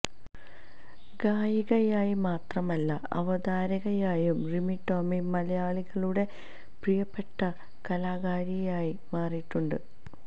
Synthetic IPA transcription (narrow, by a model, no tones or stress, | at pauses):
ɡaːjiɣɐjaːjimaːt̪rɐmɐlːɐɐ̰ʋɐd̪aːɾɐɣɐjaːjumrimiʈːoːmimɐlɐjaːɭiɣɐɭuɽe̞ | prijɐpːe̞ʈːɐ | kɐlaːɣaːɾijaːji | maːriʈːuɳɖɨ